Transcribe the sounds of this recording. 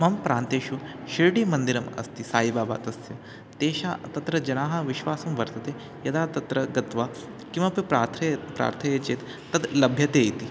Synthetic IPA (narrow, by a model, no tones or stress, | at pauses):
mɐmpɾaːnt̪eːʃu | ʃiɾɽiːmɐnd̪iɾɐmɐ̰st̪isaːibaːba̰ːt̪ɐst̪ju | t̪eːɕat̪ɐt̪ɾɐd͡ʒɐnaːɦɐʋiʃʋaːsuːmʋɐɾt̪ɐt̪e | jɐd̪aːt̪ɐt̪ɾɐɡɐt̪ʋa | kĩw̃ʋaːpipɾaɾt̪ʰɐpɾa̰ːɾt̪ʰɐjet͡ʃeːt̪ːɐd̪lɐbʱjɐt̪ejt̪i